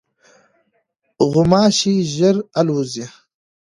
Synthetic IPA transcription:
ɣʊmɑːɕiʑəɾaluzi

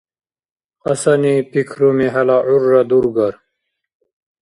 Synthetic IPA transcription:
ɐsɐnipikʰɾomiɦɐlaʕurːɐd̪uɾɡɐɾ

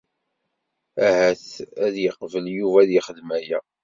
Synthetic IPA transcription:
æhæθæðjəqvəljuvæðjəχəðmæjæ

